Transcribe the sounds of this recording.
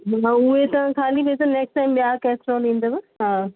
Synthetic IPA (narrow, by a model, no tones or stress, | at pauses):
ɦaʊɦet̪ɐʋ̤ãkʰaːlibeːt͡ɕɐneːksʈaːɪmɓjaːkɛːsʈɾoːlĩːn̆d̪obɪɦaː